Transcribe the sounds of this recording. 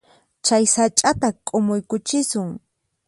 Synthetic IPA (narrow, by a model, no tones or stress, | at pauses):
t͡ʃajsat͡ʃʼat̪akʼomʊjkʊt͡ʃɪsʊŋ